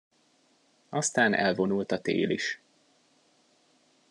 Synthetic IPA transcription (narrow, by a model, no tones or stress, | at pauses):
ɒst̪aːnʔɛ̰lvo̞nult̪ɒt̪ḛːliʃ